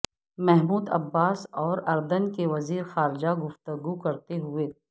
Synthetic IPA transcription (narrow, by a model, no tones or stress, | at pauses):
mɛɦmuːd̪ɐ̰bːaːsɔːɾɐɾd̪ənkeʋɐziːɾxaːɾɪd͡ʒaɡʊft̪əɡukɐɾt̪eɦʊeː